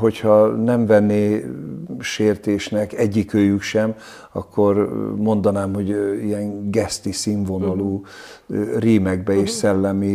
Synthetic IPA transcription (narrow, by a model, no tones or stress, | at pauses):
ɦo̞chɒnɛɱvɛnːeː | ʃeːrt̪eːʃnɛkɛɟːikøːjykʃɛm | ɒ̰kːo̞rmo̞nd̪ɒnaːmho̞ɟijɛŋɡɛst̪isiɱvonɒloː | riːmɛɡbɛeːʃsɛlːɛmi